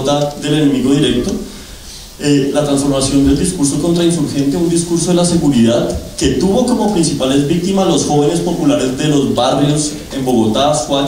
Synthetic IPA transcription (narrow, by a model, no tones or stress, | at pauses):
t̪aðele̞ne̞miɣo̞ðiɾe̞k̚t̪o̞ | elat̪ɾansfo̞ɾmasjo̞nd̪e̞ld̪iskuɾs̬o̞ko̞nt̪ɾainsuɾxe̞nt̪eund̪iskuɾso̞ðelase̞ɣuɾiðaðke̞t̪uβo̞ko̞mo̞pɾinsipale̞zbik̚t̪imazlo̞sxo̞βe̞ne̞spo̞pulaɾe̞zd̪e̞lo̞zbarjo̞s | e̞mbo̞ɣo̞t̪afwa